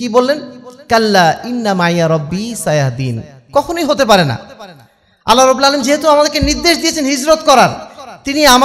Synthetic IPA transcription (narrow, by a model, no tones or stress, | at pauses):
kibolːenkalːainːamaʕijaɾˤɔbːisajaɦd̪ḭːn | kɔkʰonojɦot̪ep̬aɾena̰ | a̰lːaɾɔbilalemd͡ʑeɦet̪uamad̪eɾkeniɾd̪eʃd̪ijet͡ɕʰenɦid͡ʑɾot̪̚kɔɾaɾt̪iniama